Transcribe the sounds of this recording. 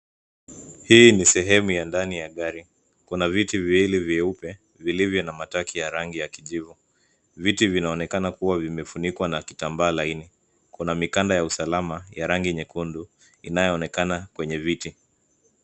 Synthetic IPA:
hiːnisɛɦɛmujandanijaɠaɾi | kunavitiviwiliviɛupɛ | vilivjɔnamatakʰijaɾaŋɡijakiʄivu | vitivinaɔnɛkanakuwavimɛfunikwanaki̥tambaːlaini | kunamikandajausalamajaɾaŋɡiɲɛkundu | inajɔɔnɛkanakwɛɲɛviti

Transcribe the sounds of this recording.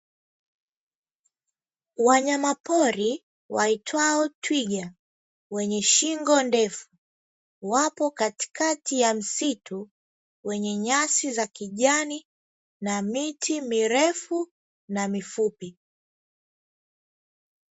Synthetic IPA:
waɲamapɔɾi | wa̰itʰwaɔtʰwiɠa | wɛɲɛʃiŋɡɔndɛfu̥ | wapɔkati̥kʰatijam̩sitʰu | wɛɲɛɲasizakiʄani | namitʰimiɾɛfu | namifupi

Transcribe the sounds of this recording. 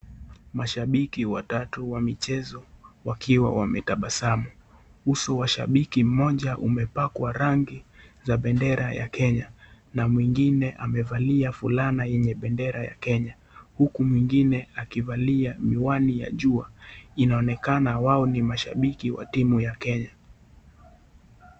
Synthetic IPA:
maʃaɓikiwatatuwamit͡ʃɛzɔwakiwa̰wamɛtaɓasamuhusɔwaʃa̰ɓikim̩mɔʄaʔumɛpakwaɾaŋɡizaɓɛndɛɾaja̰kɛɲa | namwiŋɡinɛʔamɛvaliafulanajɛɲɛɓɛndɛɾaja̰kɛɲa | hukumwiŋɡinɛakivaliamiwanija̰ʄuainaɔnɛkanawaɔnimaʃa̰ɓikiwa̰timujakɛɲa

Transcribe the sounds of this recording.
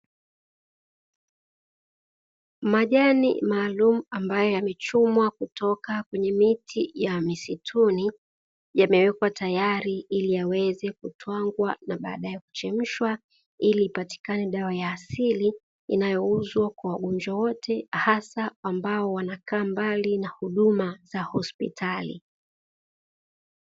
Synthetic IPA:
maʄanḭmaːlum̩ambajɔjamɛt͡ʃumwakutɔkakwɛɲɛmitʰijamisitʰuni | jamɛwɛkwatajaɾiiliawɛzɛkutʰwaŋɡwanaɓa̰ːɗajɛku̥t͡ʃɛm̩ʃwa | iliːpati̥kanɛɗawajaːsili | ḭnajɔuzwakwawaɠɔɲd͡ʒwawɔtʰɛhasaambaɔwanakaːmbalinahuɗumaz̥ahɔspḭtʰalḭ

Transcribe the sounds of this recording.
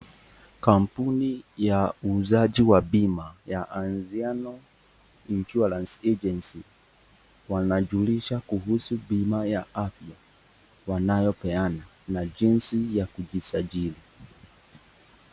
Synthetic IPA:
kam̩punijauzad͡ʒiwabimajaʔanzianɔ | nt͡ʃualansɛd͡ʒɛnsi | wanad͡ʒuliʃakuɦusubimajaafja | wanajɔpɛana | nad͡ʒinsijakud͡ʒisad͡ʒili

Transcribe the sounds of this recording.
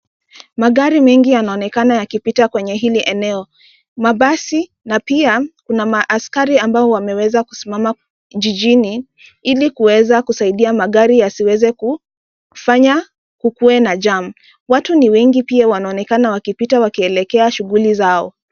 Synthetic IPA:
maɠaɾimɛŋɡijanaɔnɛkanajakipitakwɛɲɛɦiliʔɛnɛɔ | maɓasi | napiakunamaʔaskaɾiambaɔwamɛwɛzaku̥simama | ʄiʄini | ilikuwɛzakusaiɗiamaɠaɾijasiwɛzɛku | faɲa | kukuɛnaʄam̩ | watuniwɛŋɡipiawanaɔnɛkanawakipitawakiɛlɛkɛaʃuɣulizaɔ̰

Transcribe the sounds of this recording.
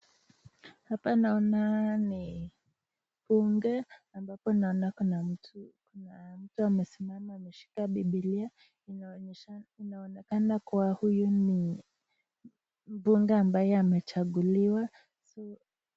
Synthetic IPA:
hapanaɔnani | puŋɡɛambapɔnaɔnakna | nam̩tuamɛsimamaːmɛʃi̥kaɓiɓilia | inaɔnɛkanakuwahujuni | m̩buŋɡɛambajɛamɛt͡ʃaɠuliwa | sɔ

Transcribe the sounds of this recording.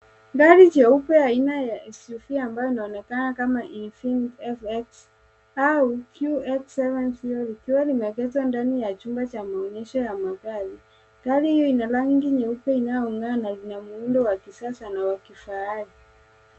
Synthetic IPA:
ŋɡaɾiɲɛupɛainajaɛsufiaambajɔinaɔnɛkanakamaʔifindɛfɛks | aukjuɛksɛvɛnshijɔlikiwalimɛkɛtwandanijat͡ʃumbat͡ʃamaɔɲɛʃɔjamaɣali | ŋɡalihijɔinalaŋɡiɲɛupɛinajɔuŋɡanalinamuundɔwakisasanawakifaali

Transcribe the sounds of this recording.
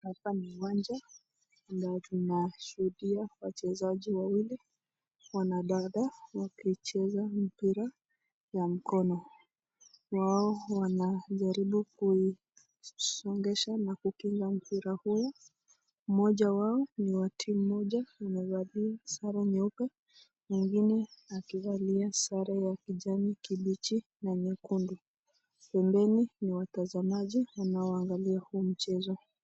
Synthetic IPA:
hapaniwand͡ʒa | natunaʃuhuɗiawat͡ʃɛzaʄiwawili | wanaɗaɗawakit͡ʃɛzam̩piɾa | jam̩kɔnɔ | waɔwanaʄaɾiɓukui | sɔŋɡɛʃanakukiŋɡam̩piɾahu | m̩mɔʄawaɔniwatʰim̩ːɔʄawamɛvaliasaɾaɲɛupɛ | miŋɡinɛakivaliasaɾajakiʄamikiɓit͡ʃi | naɲɛkundu | pɛmbɛniniwatazamaʄiwanaɔaŋɡaliahuːm̩t͡ʃɛzɔ

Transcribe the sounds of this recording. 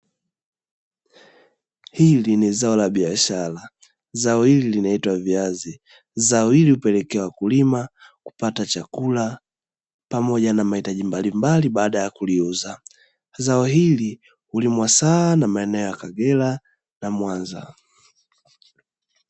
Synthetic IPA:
hilinizaɔlaɓiaʃala | zaɔhililinaitwaviazi | zaɔiliupɛlɛkɛwakulimaku̥patat͡ʃakula | pamɔʄanamahitaʄimbalimbaliɓaːɗajakuliuza | zaɔɦili | hulimwasaːnamaɛnɛɔjakaɡɛla | namwanza̰

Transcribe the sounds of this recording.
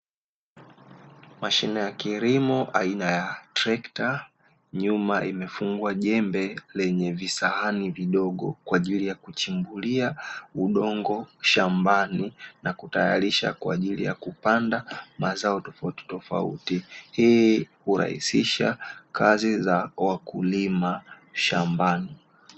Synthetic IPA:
maʃinɛjakiɾimɔʔainajatɾɛkta | ɲumaimɛfuŋɡuaʄɛmbɛlɛɲɛvisaaniviɗɔɠɔ̰kwaːʄilijakut͡ʃimbuliauɗɔŋɡɔʃambaninakutajaɾiʃa̰kwa̰ːʄilḭja̰kupandamazaɔtɔfauti̥tɔfa̰ṵtihiːhuɾa̰hḭsiʃa̰kʰazizawakulima | ʃambani

